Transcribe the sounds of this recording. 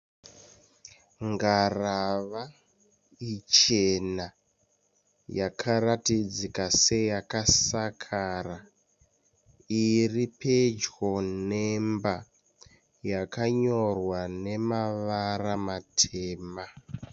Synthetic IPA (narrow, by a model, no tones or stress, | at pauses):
ŋɡaraʋa | it͡ʃena | jakʰaratid͡zikase̞jakasakʰara | iriped͡ʒwonemba | jakaɲo̞rwane̞maʋaramatʰeːma